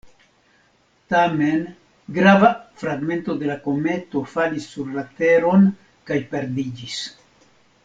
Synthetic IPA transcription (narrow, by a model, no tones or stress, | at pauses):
t̪ame̞n | ɡɾavafɾaɡme̞nt̪o̞d̪e̞lako̞me̞t̪o̞falisːuɾːat̪e̞ɾo̞n | kajpe̞ɾd̪id͡ʒis